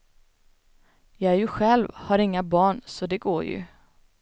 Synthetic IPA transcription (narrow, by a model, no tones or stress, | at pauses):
jɑɡæɾjɵɧɛlvhaɾɪŋːabɑːɳsɔd̪ɛɡoːjɵ̰